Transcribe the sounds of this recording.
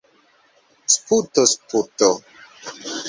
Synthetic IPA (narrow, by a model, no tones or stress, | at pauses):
sputosputo